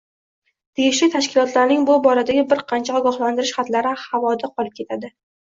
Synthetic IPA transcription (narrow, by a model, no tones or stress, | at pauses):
t̪ʰejʲɪʃlɪt̪ʰaʃkʲɪlɒt̪laɾnɪŋbʊbɒɾad̪aɡʲɪbɪɾqʰɑnt͡ʃʰaɒɡɒχland̪ɪɾɪʃχat̪laɾɪhavɒd̪aqʰɒlˠɪp̚kʲʰe̞t̪ʰad̪ɪ